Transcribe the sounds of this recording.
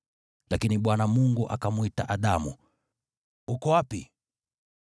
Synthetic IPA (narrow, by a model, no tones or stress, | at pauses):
lakiniɓwanamuŋɡuʔa̰kamuitaʔaɗamṵ | hukɔwapḭ